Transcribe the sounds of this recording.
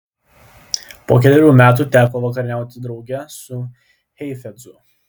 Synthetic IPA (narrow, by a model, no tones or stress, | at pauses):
poːkʲɛt̪ʲɪɾʲuːmʲæːt̪̬uːt̪ʲæːkoːʋɐkɐɾʲɪnʲæˑʊt̪ʲɪd̪ɾɒʊɡʲɛsʊ | hʲɛɪfʲɛd̪zʊ